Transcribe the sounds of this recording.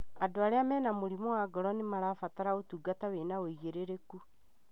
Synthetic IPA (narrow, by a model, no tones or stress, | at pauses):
adoaɾeamɛːnamoɾimɔwaɡɔɾɔnemaɾaːfataɾaotuːɡataweːnaoiɣeɾeɾeku